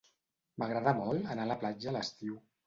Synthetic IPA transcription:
məɣɾəðamɔlənaːləplad͡ʒələst̪iw

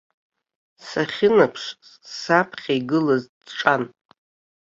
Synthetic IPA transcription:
saχʲɪnapʰʂ | sapʰχʲaiɡɨlaz | ʈ͡ʂʼan

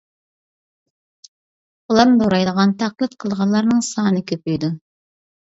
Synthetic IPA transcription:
qʊlˠɑmd̪oɾɑjd̪əʁɑnt̪ʰæqlˠɨt̪qʰəlˠʁɑnlˠɑɾnɨŋsɑːnɨkʲøpyjd̪u

